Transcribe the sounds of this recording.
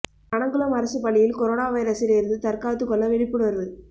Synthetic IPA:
kɐɳɐŋɡɯɭɐmɐɾɐsɯpːɐɭːɪjɪlkɔɾoːɳaːʋɐjɪɾɐsɪleːɾɯnd̪ɯt̪ɐɾkaːt̪ːɯkːɔɭːɐʋɪɽɪpːɯɽɯʋɐɾɐʋɯ

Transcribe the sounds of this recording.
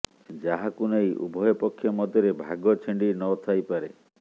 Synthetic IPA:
d͡ʒaɦakunejʔṵbʱɔjɔpɔkʰːjɔmɔd̪ʱjɔɾebʱaɡɔt͡ʃʰiɳɖinɔt̪ʰajpaɾe

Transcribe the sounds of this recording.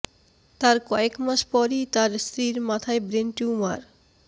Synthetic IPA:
t̪aɾkoekmaʃpɔɾit̪aɾst̪ɾiɾmat̪ʰaebɾenʈiuma̰ɾ

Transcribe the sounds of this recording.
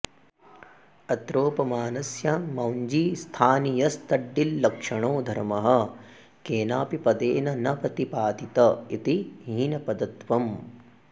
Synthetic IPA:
ɐt̪ɾoːpɐmaːnɐsjɐmɐwɲd͡ʒiːst̪ʰaːnijɐst̪ɐɖːilːɐkʂɐɳoːd̪ʱɐɾmɐɦɐ̆ | keːnaːpipɐd̪eːnɐnɐpɾɐt̪ipaːt̪it̪ɐit̪iɦiːnɐpɐd̪ɐt̪ʋɐm

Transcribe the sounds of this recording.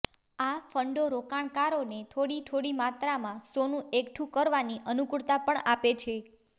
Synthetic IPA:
afəɳɖoɾokaɳkaɾonet̪ʰoɽit̪ʰoɽimat̪ɾamãsonũʔekʈʰũkəɾʋaniʔənukɽt̪apəɳapet͡ʃʰe

